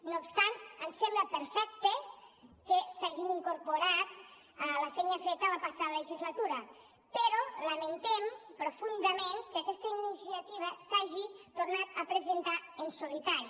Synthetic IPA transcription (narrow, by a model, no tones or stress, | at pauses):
noːpst̪ant̪ənsɛmbləpeɾfɛk̚t̪ekesaʒiniŋkuɾpoɾat̪ | əlafɛɲafɛt̪alapasaðəleʒizlat̪uɾɐ | peɾoləment̪empɾofund̪əmenkeakɛst̪əinisiat̪iβ̞əsaʒit̪oɾnat̪əpɾezent̪aensulit̪aɾi